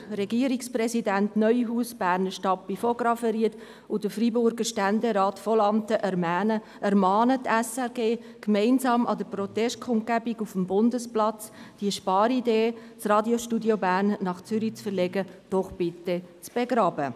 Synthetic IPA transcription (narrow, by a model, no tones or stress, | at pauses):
ɾɛɡiəɾiksprɛsidæntnœʏɦuːsb̥æːɾnəʃtɑpːifoɡɾɑfɛɾiːət | ʊd̥əfɾibʊɾɡəʃtændeɾɑːtfɔlɑmt̪əʔɛɾmæːnə | ɛɾmɑːnətɛsɛɾɡeː | kmɛɪnzɑːmɑ̰dəprɔt̪ɛʃt̚kʰʊnt̚ɡæbiɡufəmbʊndəsplɑt͡sd̥iəʃpɑːɾideː | t͡srɑːdjoʃtudjobæːɾnːɑχt͡sʏɾit͡sfəɾlɛɡəd̥ɔχb̥ɪt̪ːət͡sb̥eɡɾɑːbə